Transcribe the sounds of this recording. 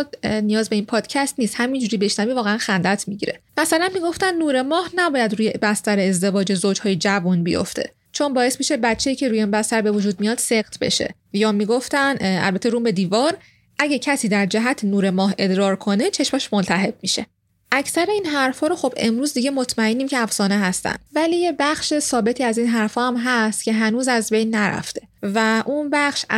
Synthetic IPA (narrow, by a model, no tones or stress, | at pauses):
d̪nijɒːzbe̞iːnpʰɒːd̪̥cʰæst̪niːst̪hæmind͡ʒuːɾiːbe̞ʃnæviːvɒːɣeænxænd̪æt̪ʰmiɟiɾemæsælænmiːɡo̞ft̪ænːuːɾe̞mɒːhnæbɒːjæd̪ɾuːjebæst̪æɾeːzd̪e̞vɒːd͡ʒe̞zod͡ʒhɒːjed͡ʒævunbijo̰ft̪ʰe̞̰ | t͡ʃʰo̞nbɒːje̞smiʃe̞bæt͡ʃʰːejiːcʰe̞ɾuːjenbæst̪æɾbe̞vod͡ʒuːd̪̚mijɒːd̪̥se̞ɣt̪ʰbe̞̰ʃḛ | jɒːmiːɡo̞ft̪ænæ̰lbæt̪ʰeɾuːmbe̞d̪iːvɒːɾ | ʔæɟæcʰæsiːd̪æɾd͡ʒæɦæt̪ʰnuːɾe̞mɒːɦe̞d̪ɾɒːɾkʰo̞ne̞t͡ʃʰe̞ʃmæʃmont̪ʰæɦe̞b̚miʃe̞̰ | ʔæcʰsæɾe̞iːnɦæɾfhɒːɾoxo̞be̞̰mɾuːzd̪iɟe̞mo̞t̪ʰmæenːiːmcʰeæfsɒːne̞ɦæst̪æ̰nd̥̪væliːje̞bæχʃesɒːbe̞t̪ʰiːæziːnɦæɾfɒːhæmɦæst̪cʰe̞ɦænuːzæzbe̞jnːæɾæ̰ft̪ʰe̞væʔunbæχʃ